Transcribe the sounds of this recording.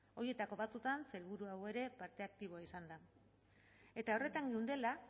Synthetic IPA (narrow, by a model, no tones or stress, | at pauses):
o̞ɾie̞t̪ako̞βat̪ut̪anse̞lβuɾuawe̞ɾe̞paɾt̪e̞ak̚t̪iβ̞o̞aisand̪a | e̞t̪ao̞re̞t̪aŋɡeuwnd̪e̞la